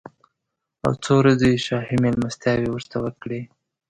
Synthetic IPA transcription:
a̰wt͡sowɾad͡zejeʃɑhimelmast̪jɑwewəɾt̪awəɾkɽe

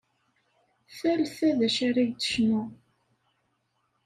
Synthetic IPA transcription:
θælθæðæʃaɾæjt̪ːə̥ʃnʊ

